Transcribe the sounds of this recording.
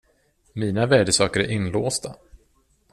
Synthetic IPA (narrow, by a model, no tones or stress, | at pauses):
miːnavæːɖəsɑːkəɾæ̰ɾʔɪnloːst̪a